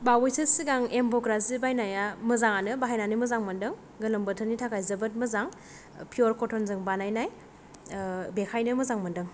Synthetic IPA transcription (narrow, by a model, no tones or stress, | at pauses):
bawojsʰɯsiɡaŋembɔkɾazibajnajamɯzaŋanɯbaɦajnanimɯzaŋmɐndɯŋ | ɡɯlɯmbɯtʰɯnitʰakʰajzɐbɯt̚mɯzaŋ | pʰioɾkʰɔtʰɔnzɯŋbanajnaj | bekʰajnɯmɯzaŋmɯndɯŋ